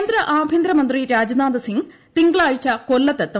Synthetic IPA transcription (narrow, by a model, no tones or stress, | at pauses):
nd̪ɾɐʔaːbʱjind̪ɾɐmɐnd̪riɾaːd͡ʑɐnaːd̪ɐsiŋ | t̪iŋɡɐɭaːɻit͡ɕːɐkolːɐt̪ːɐt̪ːɐ